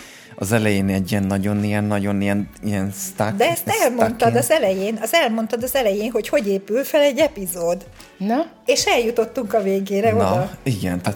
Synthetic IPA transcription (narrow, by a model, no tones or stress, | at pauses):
ɒ̰zɛlɛjeːnɛɟiɛnːɒɟo̞nijɛnːɒɟo̞nijɛnijɛnst̪ad̪ɛɛst̪ɛlmont̪ɒd̪ɒzɛlɛjeːnɒzɛlmo̞nt̪ɒd̪ɒzɛlɛjeːnɦo̞cho̞ɟeːpylfɛlɛɟːɛpizoːd̪ | n | eːʃɛljut̪o̞t̪ːuŋkɒveːɡeːɾɛiɡɛ̰nt̪a